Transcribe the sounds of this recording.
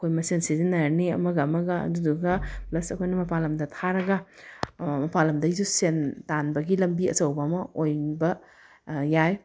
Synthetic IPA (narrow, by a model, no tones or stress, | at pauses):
ɐkʰojmɐsensizinɐɾniɐ̰mɐɡɐɐmɐɡɐɐ̰duduɡɐplɐsɐkʰojnɐmɐpʰalɐmdɐtʰaɾɐɡɐ | mɐpʰalɐmdɐizusentanbɐɡilɐmbiɐ̰sɐwbɐɐmɐojbɐ | jaj